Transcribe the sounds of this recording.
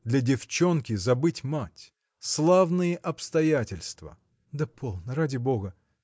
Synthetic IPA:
d̪lʲɐdʲɪft͡ɕo̞nkʲɪzɐbɨtʲmatʲ | slˠavnɨjəʔɐpst̪ɐjatʲɪlʲst̪və̰ | d̪əpʰolˠnəɾadʲɪbo̞ɡə

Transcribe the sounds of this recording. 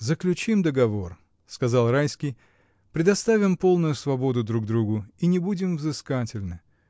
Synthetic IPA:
zəklʲʉt͡ɕimd̪əɡɐvo̞r | skɐzɑlˠrajskʲɪj | pɾʲɪd̪ɐst̪avʲɪmpo̞lˠnʊjʊsvɐbo̞d̪ʊd̪ɾuɡd̪ɾuɡʊinʲɪbudʲɪmvzɨskatʲɪlʲnɨ

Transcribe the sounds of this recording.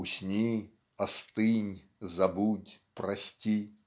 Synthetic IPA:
ʊsʲnʲi | ɐst̪ɨnʲ | zɐbutʲpɾɐsʲtʲi

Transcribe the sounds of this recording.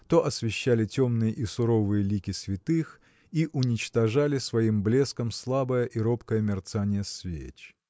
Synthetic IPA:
t̪oʔɐsvʲɪɕːælʲɪtʲo̞mnɨjəʔisʊɾo̞vɨjəlʲikʲɪsvʲɪt̪ɨx | iʔʊnʲɪt͡ɕt̪ɐʐalʲɪsvɐimblʲe̞skəmslˠabəjəʔiɾopkəjəmʲɪrt̪sanʲɪjəsvʲḛt͡ɕ

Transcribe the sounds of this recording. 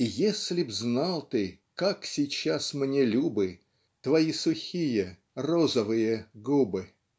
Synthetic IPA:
jesʲlʲɪbznalˠt̪ɨ | kaksʲɪt͡ɕːasmnʲelʲubɨ | t̪vɐisʊxʲijə | rozəvɨjəɡubɨ

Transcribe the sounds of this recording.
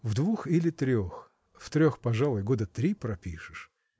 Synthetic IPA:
vd̪vuxilʲɪt̪ɾʲo̞x | ft̪ɾʲoxpɐʐalˠʊjɡo̞d̪ət̪ɾʲipɾɐpʲiʂɨʂ

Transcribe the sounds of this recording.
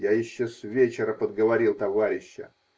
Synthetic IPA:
jajɪɕːosʲvʲet͡ɕɪɾəpəd̪ɡəvɐɾʲilˠt̪ɐvaɾʲɪɕːə̰

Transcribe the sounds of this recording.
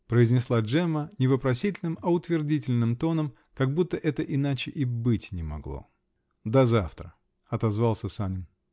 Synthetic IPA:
pɾəɪzʲnʲɪslˠaʐɛmənʲɪvəpɾɐsʲitʲɪlʲnɨmɐʊt̪vʲɪrdʲitʲɪlʲnɨmt̪o̞nəm | kɐɡ̚but̪ːəʔɛt̪əʔɪnat͡ɕɪʔɪbɨtʲnʲɪmɐ̰ɡlˠo̰ | d̪ɐzaft̪ɾə | ɐt̪ɐzvɑlˠsʲəsanʲɪn

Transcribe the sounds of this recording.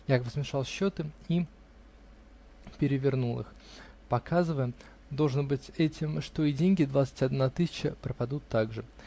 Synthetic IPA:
jabəsmʲɪʂɑlˠɕːot̪ɨi | pʲɪɾʲɪvʲɪrnulˠɨ̰x | pɐkʰazɨvəjə | d̪olˠʐnɨbɨtʲɛtʲɪmʂt̪oidʲenʲɡʲɪd̪vat̪sɨ̥tʲɐd̪nat̪ɨsʲɪ̥t͡ɕəpɾəpɐd̪ut̪ːaɡʐɨ

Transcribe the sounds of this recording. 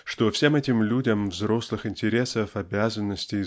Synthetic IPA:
ʂt̪ofsʲe̞mɛtʲɪmlʲudʲəmvzɾo̞slˠɨxɪnʲtʲɪɾʲe̞səfɐbʲazənːəsʲtʲɪ

